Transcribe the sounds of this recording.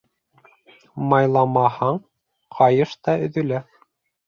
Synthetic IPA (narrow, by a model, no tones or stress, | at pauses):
mɑjlˠɑmɑhɑɴ | qʰɑjɤʃt̪ɑɵ̆ðɵ̆læ